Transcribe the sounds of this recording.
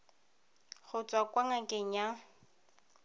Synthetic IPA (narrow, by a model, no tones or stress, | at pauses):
χʊt͡sʼwakʼwaŋakʼɪɲa